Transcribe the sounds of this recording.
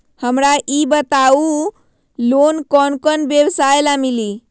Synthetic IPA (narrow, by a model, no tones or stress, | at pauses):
həmɾaʔibət̪au | lonkɔnkɔnbjəwsaelamili